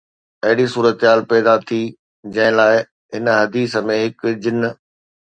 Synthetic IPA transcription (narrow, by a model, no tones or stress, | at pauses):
ɐɦɪɽisuːɾət̪ɦaːlpɛːd̪at̪ʰi | d͡ʑɐ̃ɦɪ̃laːɪ | ɦɪnə̆ɦɐd̪iːsəmẽɦɪkd͡ʑɪn